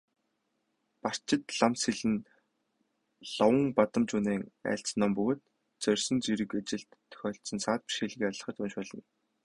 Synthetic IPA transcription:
par̥t͡ɕɪ̆t̪ɮamsxiɮɘ̆n | ɮɔwə̆ŋpat̪ə̆mt͡ɕuːneːŋæ̰ːɬt͡snːɔːmpɵɣoːt̪ | t͡sœrʲsɘ̆nt͡siɾɘ̆kat͡ɕɪ̆ɬt̪ʰːœ̥xʲɔːɬsə̆nsaːt̪̚pi̥ʃiːɮ̆ɣaɮə̆χə̆t̪unʃʊːɮə̆n

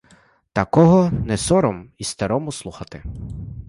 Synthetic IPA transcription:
t̪ɐkɔɦɔnɛsɔɾɔmist̪ɐɾɔmʊslˠuxɐt̪ɪ

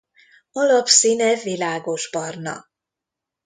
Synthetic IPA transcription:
ɒlɒpsinɛvilaːɡo̞ʒbɒrnɒ̰

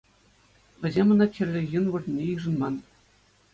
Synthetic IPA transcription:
ʋʲɘ̆zʲemʲɤ̆nɑkʲɘ̆rʲːɘ̆jɯnʋɤ̆rʲnʲːejɯʐɤ̆nmɑn

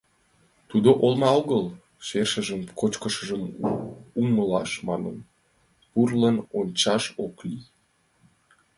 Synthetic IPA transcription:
t̪ud̪oʔolmɑoɣəl | ʃerʃəʒəmkot͡ɕkəʃəʒəm | uməlɑʃmɑnə̰n | purlənonʲt͡ɕɑʃoklij

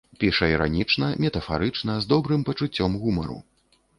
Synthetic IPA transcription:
pʲiʂɐiɾa̰nʲit͡ʂnɐmʲɛt̪ɐfa̰ɾɨt͡ʂnɐzd̪ɔbɾɨmpɐt͡ʂut͡sʲːɔmɣumɐɾṵ

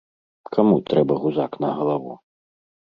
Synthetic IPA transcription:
kʰamut̪ɾɛbɐɣuzaknɐɦɐlˠɐʋṵ

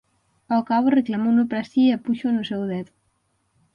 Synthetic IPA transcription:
ɔkaβoreklamunopɾasiapuʃonusɛwðɛð

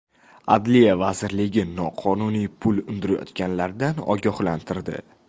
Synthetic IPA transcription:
a̰d̪lijavazɪɾlɪɡʲɪnɒqʰɒnunijpʰʊlʊnd̪ɪɾajɒ̰t̪kʲanlaɾd̪anɒ̰ɡʲɒhlant̪ʰɪɾd̪ɪ̰

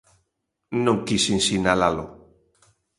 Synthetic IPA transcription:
nõŋkisinsinalalo

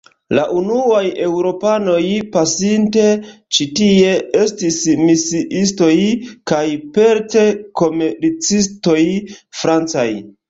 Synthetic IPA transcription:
laʔunuaje̞wɾo̞pano̞jpasinte̞t͡ʃitie̞estismisiʔisto̞jkajpe̞ɾte̞ko̞meɾt͡sisto̞jfɾant͡saj

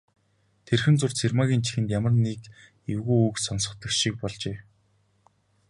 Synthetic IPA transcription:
t̪ʰerxɘ̆nt͡sʊr̥t͡sʰermaɣʲiːnt͡ɕʰi̥xɘ̆nt̪jamə̆rnek | ewɣuːjuːksɔnsɞ̆χt̪ə̆kʃik̚pɔɮt͡ɕeː

